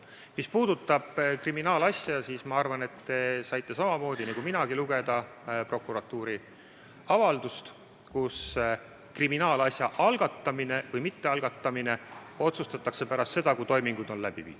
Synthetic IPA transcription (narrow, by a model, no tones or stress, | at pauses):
mispuːd̪̥ut̪ːˑɑb̥kriminɑːlɑsʲjɑsiːsmɑɑrvɑne̞t̪ːe̞sɑjt̪ːe̞sɑmɑmo̞ːd̪̥ʲinikuminɑɡ̥iluɡe̞d̪̥ɑ | pro̞kːuɾɑt̪ːˑuːɾi | ɑvɑld̪̥ust̪ | kus | kriminɑːlɑsjɑʔɑlɡ̥ɑt̪ˑːɑmine̞vɤjmit̪ːe̞ɑlɡ̥ɑt̪ːɑmine̞ | o̞t̪sust̪ɑt̪ːˑɑkse̞pæɾɑst̪se̞d̪̥ɑkut̪o̞jmiŋɡ̥ud̪̥o̞nlæb̥ḭvḭ̥ː